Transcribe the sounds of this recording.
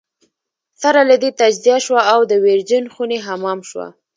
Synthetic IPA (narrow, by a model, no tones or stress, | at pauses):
saɾalad̪et̪ad͡ʒzijaʃwaːwd̪əweɾd͡ʒənxuneɦamɑmʃwa̰